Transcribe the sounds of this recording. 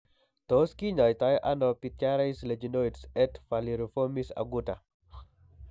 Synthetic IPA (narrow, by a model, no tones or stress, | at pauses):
t̪oskiɲɔjt̪ajɔʔanɔpitjaɾaisled͡ʒinoitsɛtfaliɾufomisa̰ɡuta